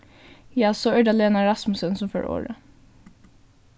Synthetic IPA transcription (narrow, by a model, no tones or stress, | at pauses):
jɑsɔœɖɑleːnɑɾɑsmʊsənsɔmfø̰ːɹo̰ːɹə